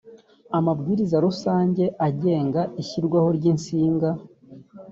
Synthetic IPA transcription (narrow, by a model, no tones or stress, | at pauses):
amabɡiːɾizaɾusaːɲɟe̞ʔaɟe̞ːŋɡaʔiçiɾɡwaho̞ɾɟinsiːŋɡa